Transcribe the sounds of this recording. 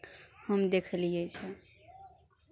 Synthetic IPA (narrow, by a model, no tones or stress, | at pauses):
həmd̪ekʰəliet͡ʃʰɛ